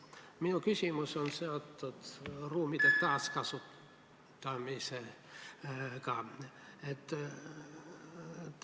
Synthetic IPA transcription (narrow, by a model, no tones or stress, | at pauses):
miukysimysonseot̪t̪ot̪ruːmit̪ett̪ɑːskɑsut̪ː | ɑmise | kɑ | et̪